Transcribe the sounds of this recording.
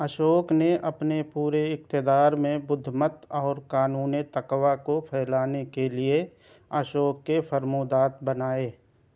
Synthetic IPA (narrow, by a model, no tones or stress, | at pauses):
əʃoːkneʔɐpnepuːɾeɪkt̪ɪd̪aːɾmẽbʊd̪ʱːmət̪ɔːɾkaːnuːnit̪əkʋakopʰɛːlaːnekelɪe | əʃoːkːefʰəɾmud̪aːt̪bənaːeː